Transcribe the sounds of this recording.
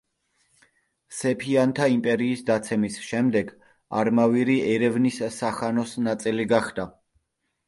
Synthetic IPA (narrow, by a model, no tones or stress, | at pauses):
sɛpʰiant̪ʰaimpʼɛɾiːsd̪at̪sʰɛmisʃɛmd̪ɛɡ | a̰ɾmaviɾiɛɾɛvnissaχanɔsnat̪sʼiliɡaχd̪a